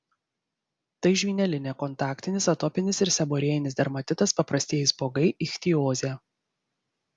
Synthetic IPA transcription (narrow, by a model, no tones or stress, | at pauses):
t̪ɐɪʒʲʋʲiːnʲɛlʲɪnʲeːkɔnt̪ɑːkt̪ʲɪnʲɪsɐt̪ɔːpʲɪnʲɪsɪɾsʲɛboːɾʲeɛjɪnʲɪsd̪ʲɐɾmɐt̪ʲɪt̪ɐspɐpɾɐsʲt̪ʲiɛjɪsboːɡɐɪʔɪxʲt̪ʲioːzʲɛː